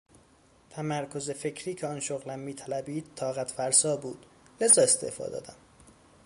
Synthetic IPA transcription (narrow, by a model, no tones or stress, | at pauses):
t̪ʰæmæɾkʰo̞zefe̞cʰɾiːcʰeɒːnʃoɣlæmːiːt̪ʰælæbiːd̪̥̚t̪ʰːɒːɣæt̪fæɾsɒːbuːd̪̥ | le̞zɒːest̪ḛːhfɒ̰ːd̪ɒ̰ːd̪æm